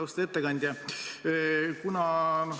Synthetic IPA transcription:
ust̪e̞t̪ːekɑnʲd̪ʲjɑ | kunɑno

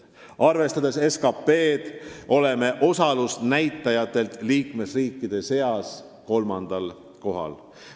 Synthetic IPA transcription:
ɑrve̞st̪ɑd̪e̞se̞skɑpːe̞ːd̪̥ʔo̞le̞me̞ʔo̞sɑlusnæjt̪ˑːɑjɑt̪ːˑe̞lt̪ˑliːkme̞sriːkːˑid̪̥e̞se̞ɑs | ko̞lmɑnd̪̥ɑl | ko̞ɦɑ̰l

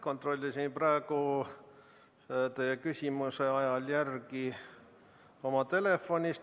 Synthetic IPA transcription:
ko̞nt̪ro̞lʲːisinprɑeɡ̥u | t̪ejekysʲimuse̞ɑjɑljærɡi | o̞mɑt̪e̞le̞fːo̞nʲist̪

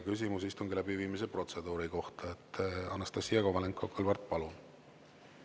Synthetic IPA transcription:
kys̬ʲimus̬ist̪uŋɡilæbiviːmis̬epro̞t̪se̞d̪uːɾiko̞ht̪ɑet̪ːˑɑnːɑst̪ɑsijɑɡovɑleŋkːˑokolvɑrt̪̚ˑpɑlun

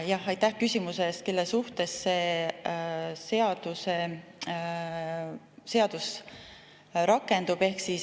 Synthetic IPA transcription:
jɑhɑjt̪ːæhkysʲimuseːst̪̚kelːesuht̪e̞sːe̞ː | se̞ɑd̪̥use̞ | se̞ɑd̪̥us | ɾɑkːˑe̞nd̪̥ub̥e̞hksis

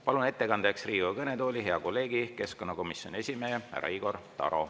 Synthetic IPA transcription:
pɑlune̞t̪ːe̞kɑnd̪̥eksriːɡuɑkɤnet̪o̞ːlʲiɦe̞ɑko̞lːe̞ːɡike̞sko̞nːɑko̞misjo̞ne̞sʲimeːæ̰ɾɑ̰iːɡ̥o̞rt̪ɑ̰ɾo̞̰

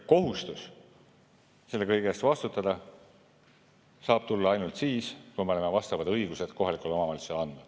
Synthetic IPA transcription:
ko̞ɦust̪us | se̞lːe̞kɤjɡeest̪vɑst̪ut̪ːˑɑd̪̥ɑ | sɑːb̥t̪ulːɑɑjnult̪siːskujmeo̞lemevɑst̪ɑvɑd̪ɤjɡ̥use̞d̪̥ko̞ɦɑlikˑulo̞mɑmɑjlselɑnd̪nu̥

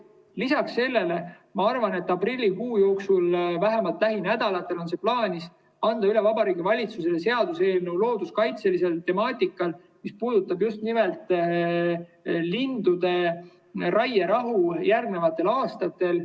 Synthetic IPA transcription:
lisɑksːe̞lːe̞le̞ | mɑɑrvɑne̞t̪ːˑɑprilʲːikuːjo̞ːksulvæɦe̞mɑlt̪ˑlæɦinæd̪̥ɑlɑt̪ːˑe̞lo̞ns̬e̞plɑːnʲis | ɑnd̪̥ɑyle̞vɑbɑɾiːɡivɑlʲit̪suse̞lese̞ɑd̪̥use̞ːlnewlo̞ːd̪̥uskɑjt̪se̞lise̞lt̪e̞mɑːt̪ʲikːˑɑl | mispuːd̪̥ut̪ːˑɑbjust̪nʲimelt̪ˑ | lind̪ud̪̥e̞ | rɑjeɾɑɦujærɡne̞vɑt̪ːˑe̞lɑːst̪ɑt̪ːˑe̞l

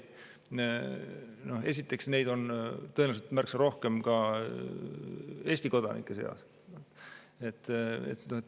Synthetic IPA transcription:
no̞he̞s̬ʲit̪ːˑe̞ksne̞jd̪o̞nt̪ɤenevset̪mærksɑɾo̞hke̞mkɑ | e̞ːsʲt̪iko̞d̪̥ɑ̰nḭkːˑe̞se̞̰ɑ̰s | e̞t̪ːḛt̪noet̪

